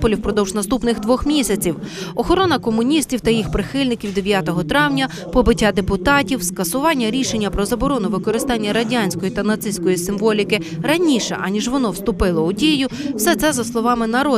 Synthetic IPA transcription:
pɔlʲiwpɾɔd̪ɔwʒnɐst̪upnɪɣd̪ʋɔxmʲisʲɐt͡sʲiwɔxɔɾɔnɐkɔmʊnʲisʲtʲiwt̪ɐjixpɾɪxɪlʲnɪkʲiwd̪e̞ʋʲjat̪ɔɦɔt̪ɾɑwnʲɐ | pɔbɪtʲːad̪epʊt̪ɑtʲiwskɐsʊʋɑnʲːɐɾʲiʃenʲːɐpɾɔzɐbɔɾɔnʊʋɪkɔɾɪst̪ɑnʲːɐɾɐdʲanʲsʲkɔjit̪ɐnɐt̪sɪsʲkɔjisɪmʋɔlʲikɪ | ɾɐnʲiʃɛ̰ʔɑnʲiʒʋɔnɔwst̪ʊpɪlˠɔʊdʲijʊw̥sɛt̪sɛzɐslˠɔʋɑmɪnɐɾɔ

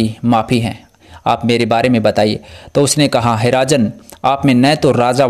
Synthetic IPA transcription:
imaːfʰiɦɛ̰̃ː | a̰ːpmeːɾebaːɾemẽbɐt̪aːiḛːt̪oʊsnekɐɦaɦɪɾaːd͡ʒənaːpmẽnɐt̪oɾaːza

